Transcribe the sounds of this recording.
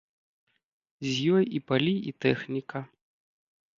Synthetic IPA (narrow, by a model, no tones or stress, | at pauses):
zʲjɔjipalʲiit̪ɛxnʲikɐ